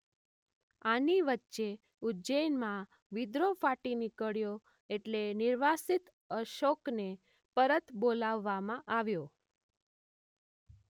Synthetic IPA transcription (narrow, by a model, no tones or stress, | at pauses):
aniʋətːʃe | ud͡ʒəjnmã | ʋid̪ɾofaʈinikəɭjo | eʈlenɪɾʋasit̪ | əʃokne | pəɾət̪bolaʋːamãʔaʋjo